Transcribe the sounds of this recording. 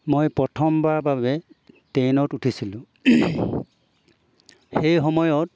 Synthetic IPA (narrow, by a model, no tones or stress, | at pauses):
mojpɹɔtʰɔmbaɹbabɛtejnɔtutʰisilʊ̃ | xejxɔmɔjɔt̚